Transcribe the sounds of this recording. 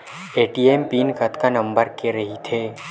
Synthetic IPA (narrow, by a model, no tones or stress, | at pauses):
eːʈiːeːmpiːnkɐt̪kanɐ̃mbəɾkeɾɐɦit̪ʰeː